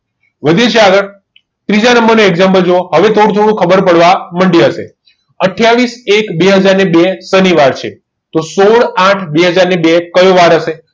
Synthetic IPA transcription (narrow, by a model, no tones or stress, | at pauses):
ʋəd̪ʱjet͡ʃʰeaɡəɭ | t̪ɾid͡ʒanəmbəɾnoeɡzampəld͡ʒooɦəʋet̪ʰoɽũt̪ʰoɽũkʰəbəɾpəɽʋaməɳɖiɦəʃḛ | əʈʰjaʋisekbeɦəd͡ʒaɾnebesəniʋaɾt͡ʃʰe | t̪osoɭãʈʰbeɦəd͡ʒaɾnebekəjoʋaɾɦəʃe